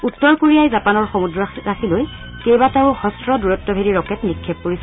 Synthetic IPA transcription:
utːɔɹkoɹijajzapanɔɹxɔmudɹɔɹaxʰiloj | kejbatɛʊxɔstɹɔduɹɔtːɔbʱediɹɔkɛtnikʰːɛp̚ːoɹisɔ

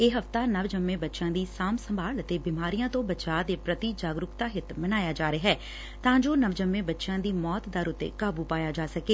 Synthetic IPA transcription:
eːɦəft̪aːnəʋd͡ʒəmːẽːbətːʃãːd̪iːsaːmsəmbʱaːlət̪eːbɪmaːɾijãːt̪õːbət͡ʃaːd̪eːpɾət̪id͡ʒaːɡɾʊkt̪aːɦɪt̪mənaːjaːd͡ʒaːɾeɦɛː | t̪ãːd͡ʒoːnəʋd͡ʒəmːẽːbətːʃãːd̪iːmɔːt̪d̪əɾʊt̪ːḛːkaːbuːpaːjaːd͡ʒaːsəkeː

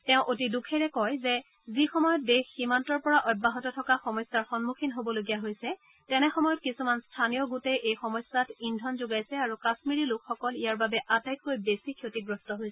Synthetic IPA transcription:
tɛʊ̃ʔotidukʰɛɹɛkɔjzɛ | zixɔmɔjɔt̚dexːimantɔɹpɔɹaʔɔjbːaɦɔtɔtʰɔkaxɔmɔjsːaɹxɔnmukʰinɦobɔloɡijaɦojsɛ | tɛnɛxɔmɔjɔtkisumanstʰanijɔɡutɛʔejxɔmɔjsːatindʱɔnzoɡajsɛaɹukasmiɹilʊkxɔkɔlijaɹbabɛʔatajkkojbesikʰjotiɡɹɔstɔɦojsɛ

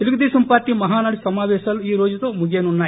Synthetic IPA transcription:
eluɡud̪eːsɐmpaːɾʈːiːmɐɦaːnɐɽusɐmaːʋɛːʃɐluiːɾoːd͡ʒɐt̪oːmuɡeːnunːaː

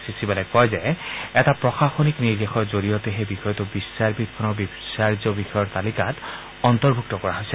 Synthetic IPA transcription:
sisibalɔjkɔjzɛɛtapɹɔxaxonikniɹd̪exɔɹzoɹijɔtexejbixɔjɔtubisːaɹbit̪̚bʰɔnɔbibsaɹzɔbixɔjɔɹt̪alikat | ɔnt̪ɔɹbʱuk̚tɔkɔɹaɦojsɛ

